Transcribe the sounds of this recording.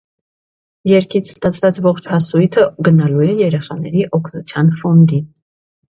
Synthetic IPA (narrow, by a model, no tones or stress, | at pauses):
jɛɾkʰit͡sʰst̪ɑt͡sʰvɑt͡svɔχt͡ʃʰhɑsujt̪ʰəɡənɑluɛjɛɾɛχɑnɛɾiʔɔkʰnut͡sʰjɑnfɔnd̪in